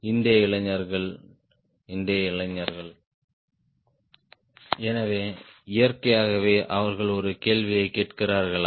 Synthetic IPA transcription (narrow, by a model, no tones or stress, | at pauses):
ɪnd̪ɪjɐɪɭɐɲːɐɾɣɐɭ | ɪnd̪ɪjɐɪɭɐɲːɐɾɣɐɭ | ɛnɐʋeːɪjɐɾkɐjaːɣɐʋeːʔɐʋɐɾɣɐɭɔɾɯkeːɭʋɪjɐɪkːeːʈkɪraːɾɣɐɭ